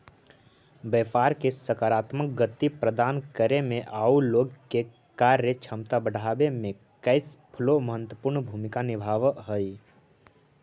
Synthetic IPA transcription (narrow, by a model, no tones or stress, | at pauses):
bəpaːɾkesəkaːɾaːt̪mək̚ɡət̪ːipɾəd̪aːnkəɾemẽʔaːuloːɡke | kaɾet͡ʃʰəmt̪abəɽ̤ʱaːbemẽ | kəɪspʰəloməɦət̪wəpuɾɳbʱuːmɪkanɪbʱaːʋɦəi